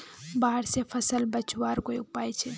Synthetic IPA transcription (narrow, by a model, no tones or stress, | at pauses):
baːəɽsepʰɐsəlbɐt͡ʃwaːɾkoːḭʊpaːjt͡ʃʰe